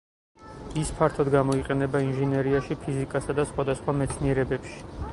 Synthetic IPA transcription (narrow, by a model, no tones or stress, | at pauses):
ispʰaɾt̪ʰɔd̪ɡamɔiqʼɛnɛbainʒɛnɛɾiaʃipʰizikʼasad̪asχwad̪asχwamɛt̪sʰniɛɾɛbɛpʃi̥